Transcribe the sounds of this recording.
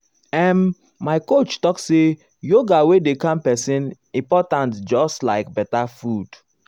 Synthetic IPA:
ɛ̃n | maɪkot͡ʃtɔkse | joɡawedekãmpɛsĩn | ĩmpɔtãntd͡ʒɔstlaɪk̚bɛtafud̥

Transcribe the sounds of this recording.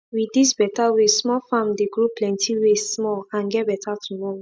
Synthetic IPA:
wiisbɛtawesmɔlfãmdeɡɹoplɛ̃ntʰiwesmɔlãnɡɛt̚bɛtatʰumɔɹo

